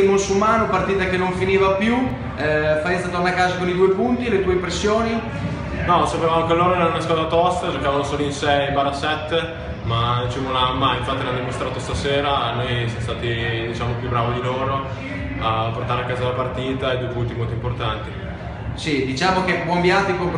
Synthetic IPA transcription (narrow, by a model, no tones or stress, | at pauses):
monsulmaːnopart̪iːt̪akenːoɱfiniːvapju | fat̪ist̪at̪ornakːaːzakonid̪uːepunt̪ilet̪uːeimpɾesːjoːni | nɔsapeːvanokeloːɾoɛɾanonaskwaːt̪at̪ɔst̪ad͡ʒokaːvanosoːloinsɛjibaɾasɛt̪ː | mad̪it͡ʃevonamːajiɱfat̪ːineanodimost̪ɾaːt̪ost̪aseːɾanojsjamost̪aːt̪id̪it͡ʃaːmopjubɾaːvid̪iloːɾo | apːort̪aːɾeakːaːzalapart̪iːt̪aeid̪uepunt̪imolt̪oimport̪ant̪i | sid̪it͡ʃaːmokebwɔmbjat̪ːikom